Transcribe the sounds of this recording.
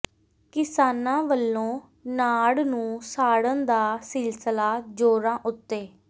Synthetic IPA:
kɪsaːnãːʋəlːõː | naːɽnũːsaːɽənd̪aːsɪlsəlaːd͡ʒoːɾãːʔʊt̪ːeː

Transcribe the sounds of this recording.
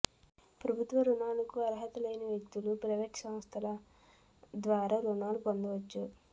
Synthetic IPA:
pɾɐbʱut̪ʋɐɾunaːlɐkuɐɾɐɦɐt̪ɐlɐjnɐʋjek̚t̪ulupɾɐʋeːʈsɐmst̪ʰɐlɐ | d̪ʋaːɾaːɾunaːlupond̪ɐʋɐt͡ʃːu

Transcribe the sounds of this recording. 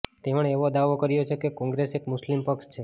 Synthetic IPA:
t̪eʋəɳeʋod̪aʋokəɾjot͡ʃʰekekɔ̃ŋɡɾesekmʊslimpəkst͡ʃʰe

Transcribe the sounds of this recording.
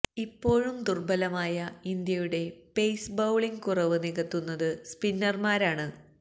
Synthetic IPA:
ipːo̞ːɻumd̪urbɐlɐmaːjɐind̪jɐjuɽe̞pe̞jsbɐwɭiŋkurɐʋɨniɣɐt̪ːunːɐðɨspinːɐrmaːɾaːɳɨ

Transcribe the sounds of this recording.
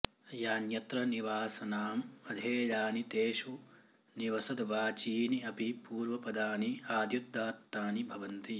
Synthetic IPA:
jaːnjɐt̪ɾɐniʋaːsɐnaːmɐd̪ʱeːlaːnit̪eːʃu | niʋɐsɐd̪ʋaːt͡ʃiːniɐpipuːɾʋɐpɐd̪aːniaːd̪jud̪ːaːt̪naːnibʱɐʋɐnt̪i

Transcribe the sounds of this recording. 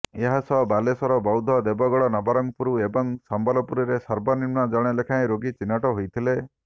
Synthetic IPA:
eɦasɔbalesɔɾɔbɔwd̪ʱɔd̪ebɔɡɔɭɔnɔbɔɾɔŋpuɾuebɔŋsambɔlɔpuɾiɾesɔɾbɔniɾmɳɔd͡ʒɔɽ̃elekʰaj̃ɾoɡit͡ʃinːaʈɔɦojt̪ʰile

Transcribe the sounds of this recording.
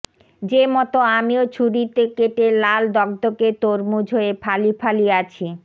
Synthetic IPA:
d͡ʑemɔt̪oamiot͡ɕʰuɽit̪ekeʈelald̪ɔɡ̚d̪oket̪oɾmud͡ʑʱoepʰalipʰaliat͡ɕʰi

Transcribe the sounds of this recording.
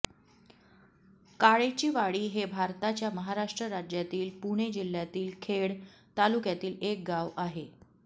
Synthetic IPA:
kaɭet͡ɕiːʋaɭiːɦebʱaɾt̪at͡ɕjaməɦaɾaʂʈɾəɾad͡ʑjat̪iːlpuɽ̃ed͡ʑil̤ːjat̪iːlkʰeɽt̪alukjat̪iːlek̚ɡaʋaɦe

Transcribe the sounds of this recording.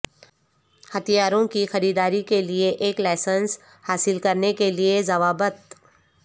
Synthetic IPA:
hɐt̪ʰijaːɾõkixɐɾiːd̪aːɾikelieʔeːklaɪsəns | haːsɪlkɐɾnekeliezɐʋaːbət̪̚

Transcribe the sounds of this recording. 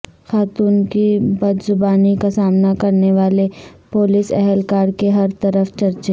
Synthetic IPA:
xaːt̪uːnkibɐd̪zʊbaːnikasaːmnakɐɾneʋaːlepoːlɪsɛɦɛlkaːɾkeɦɐɾt̪ɐɾəft͡ʃɐɾt͡ʃeː

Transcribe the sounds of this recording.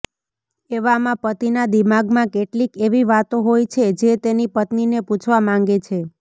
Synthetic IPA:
eʋamãpət̪inad̪imaɡmãkeʈlikeʋiʋat̪oɦojt͡ʃʰed͡ʒet̪enipət̪nineput͡ʃʰʋamãŋ̆ɡet͡ʃʰe

